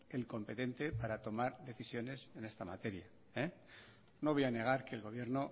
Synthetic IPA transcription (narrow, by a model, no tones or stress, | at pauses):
e̞lko̞mpe̞t̪e̞nt̪e̞paɾat̪o̞maɾðe̞θisjo̞ne̞se̞ne̞st̪ama̰t̪e̞ɾja | e | no̞βo̞jane̞ɣ̞aɾke̞ːlɣo̞β̞je̞ɾno̞